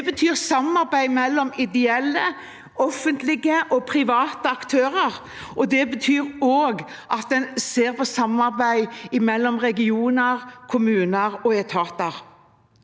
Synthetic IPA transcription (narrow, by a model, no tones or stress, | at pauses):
bət̪ʰyːʁsɑmɑʁbæɪmɛlːɔmɪd̪ɛɛlːə | ɔfːənt̪lɪɡəʔɔpʰɾɪʋɑːt̪əɑkt̪ʰøːɾəʁ | ʔɔd̪ɛbət̪ʰyːɾoːɡ | ʔɑt̪̚d̪ɛnseːɾpʰɔsɑmɑʁbæɪɪmɛlːɔmʁɛɡɪuːnəʁkʰʊmʉːnəɾɔɛt̪ʰɑːt̪əɾ